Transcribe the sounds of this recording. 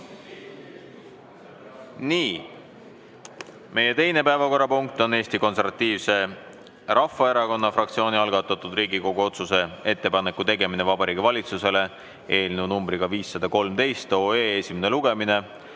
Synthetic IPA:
niː | me̞je̞t̪e̞jne̞pæevɑko̞ɾːɑpuŋk̚t̪o̞ne̞ːsʲt̪iko̞ns̬e̞ɾvɑt̪ːiːvse̞ | ɾʔɑfːɑe̞ɾɑko̞nːɑfrɑk̚t̪sio̞ːniɑlɡ̥ɑt̪ːˑɑt̪ːˑud̪riːɡiko̞ɡuo̞t̪suse̞e̞t̪ːe̞pɑnekːˑut̪e̞ɡe̞minevɑbɑɾiːɡivɑlʲit̪suse̞le̞ | e̞ːlʲnunumbɾiɡ̥ɑviːsːɑd̪ɑko̞lmt̪e̞jst̪o̞eːesʲimeneluɡ̥e̞mine̞

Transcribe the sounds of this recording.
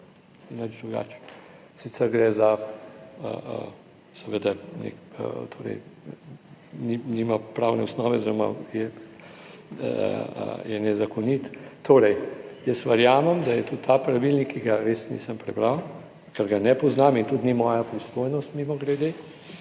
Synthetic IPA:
ɛnəd͡ʒd̪ɾuɡa̰ːt͡ʃ | sit̪sɛɾɡɾɛza | ə̰ə̰ | sɛʋəd̪anḛkə̰t̪ʰoːɾɛ̰j | niniːmapɾawnɛɔsnɔːʋɛzeɾoma̰jɛ | ə̰jɛnɛzakɔnit̪t̪oːɾɛjjəsʋəɾjaːməmd̪ajɛt̪ut̪ʰːapɾaʋilnikːiɡaɾeːsnḭsəmpɾɛbɾaw | kɛɾɡanɛpɔznaːmint̪ut̪nimɔːjapɾist̪ojnɔst̪mimɔɡlɛd̪e

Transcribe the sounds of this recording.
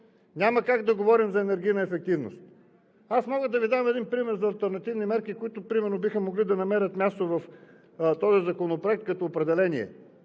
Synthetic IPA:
nʲaməkaɡd̪ɐɡovɔɾimzɐɛnɛɾɡ̟ʲijnəɛfɛk̚t̪ivno̰st̪ | asmɔɡəd̪ɐvid̪amɛd̪inpɾimɛɾzɐːlˠt̪ɛɾnɐt̪ivnimɛɾkikoit̪ʊpɾimɛɾnobixəmoɡlid̪ɐnɐmɛɾʲət̪mʲjast̪ovɐf | t̪ɔzizɐkonopɾoɛk̚t̪̚kɐt̪ɔːpɾɛd̪ɛlɛniɛ̰

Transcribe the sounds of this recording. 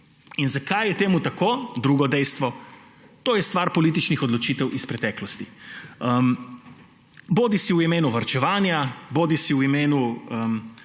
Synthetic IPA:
inzakajjɛt̪eːmut̪akoːd̪ɾuːɡɔd̪ɛjst̪ʋɔ | t̪oːjɛst̪ʋaːɾpɔliːt̪̬it͡ʃnixɔd̪lɔt͡ʃiːt̪ɛwʔispɾɛt̪ɛːklɔst̪iəm | boːd̪isiuimeːnuʋaɾt͡ʃɛʋaːnjaboːd̪isiuimeːnuəm

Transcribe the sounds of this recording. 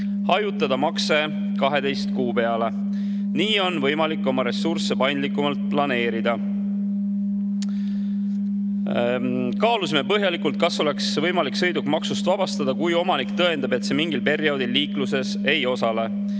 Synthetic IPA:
hɑjut̪ːˑɑd̪̥ɑmɑkse̞ | kɑɦe̞d̪ejst̪kuːpe̞ɑle̞ | niːo̞nvɤ̞jmɑlikːˑo̞mɑɾe̞sːurse̞pɑjnd̪likːˑumɑlt̪̚plɑne̞ːɾid̪̥ɑ | kɑːlusime̞pɤɦjɑlikːult̪̚kɑso̞le̞ksvɤ̞jmɑliksɤ̞jd̪ukmɑksust̪vɑb̥ɑst̪ɑd̪̥ɑkujo̞mɑnikt̪ɤ̞e̞nd̪ɑbe̞t̪se̞miŋɡ̥ilpe̞ɾio̞d̪ilːiːkluse̞se̞jo̞sɑle̞

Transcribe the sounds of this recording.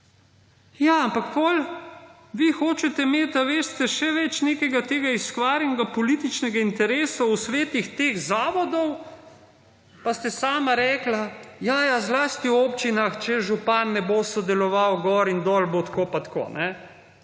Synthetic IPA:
jaampakpɔl | ʋixoːt͡ʃɛt̪ɛmeːt̪aʋeːst̪ɛʃɛʋɛt͡ʃneːkɛɡat̪eːɡaiskʋaːɾjɛnɛɡapɔliːt̪it͡ʃnɛɡaint̪ɛɾeːsawsʋeːt̪ixt̪eːxzaːʋɔd̪ɔw | past̪ɛsaːmaɾɛːklajajazlaːst̪iwoːpt͡ʃinaxt͡ʃɛʒupanːɛboːsɔd̪ɛlɔʋawɡɔːɾind̪ɔːlbot̪koːpat̪ko̰ːnɛ

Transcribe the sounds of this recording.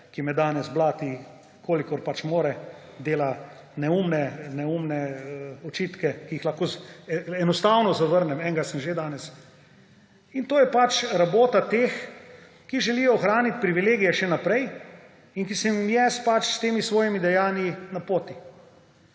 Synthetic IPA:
kimɛd̪aːnɛzblaːt̪i | kʰoːlikɔɾpat͡ʃmoːɾɛ | d̪eːla | nɛumnɛnɛumnɛəɔt͡ʃit̪kɛkijixlaxkoːɛnɔst̪awnɔzaʋəɾnɛmɛːŋɡasɛmʒed̪aːnɛs | int̪oːjɛpat͡ʃɾaboːt̪at̪eːx | kiʒɛlijɔːxɾaːnit̪̚ʲpɾiʋileːɡijɛʃɛnapɾɛj | inkisɛmjɛspat͡ʃst̪eːmisʋɔːjimid̪ɛjaːnjinapoːt̪i

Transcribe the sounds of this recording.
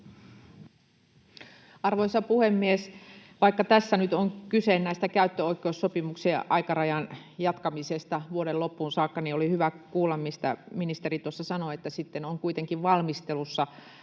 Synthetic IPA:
ɑrʋoisɑpuhemːiesʋɑikːɑt̪æsːænyt̪oŋkysennæist̪ækæyt̪ːøoikːˑeusːopimukseʔɑikɑrɑjɑn | jɑt̪kɑmisest̪ɑʋuoɾelopːuːnsɑːkːɑniolihyʋækuːlːɑmmist̪æ̰minist̪eɾit̪uosːɑsɑnoet̪ːæsit̪ːenoŋkuit̪eŋkiʋʋɑlmist̪elusːɑ

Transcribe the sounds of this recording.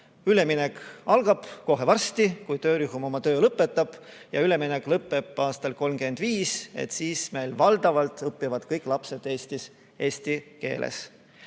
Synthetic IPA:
yle̞minekɑlɡ̥ɑb̥ko̞ɦe̞vɑrst̪ikujt̪ø̞ːɾyɦumo̞mɑt̪øːlɤpːˑe̞t̪ːˑɑb̥ | jɑyle̞minekːˑlɤpːˑe̞b̥ɑːst̪ɑlko̞lmɡ̥e̞nd̪̥viːse̞̰t̪siːsme̞jlvɑld̪̥ɑvɑlt̪ˑɤpːivɑd̪̥kɤjkːˑlɑpse̞d̪̥e̞ːsʲt̪is | e̞ːsʲt̪ike̞̰ːlʔḛs

